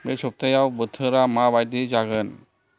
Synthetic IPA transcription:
mesɔp̚t̪ʰajawbɯt̪ʰɯɾamabajdid͡ʒaɡɯn

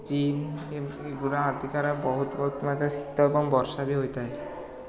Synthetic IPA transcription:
t͡ɕineeɡuɾaɦat̪ikaɾabɔɦut̪bɔɦut̪mat̪ɾasi̥t̪ːaebɔŋbɔɾʃabiɦojt̪aj

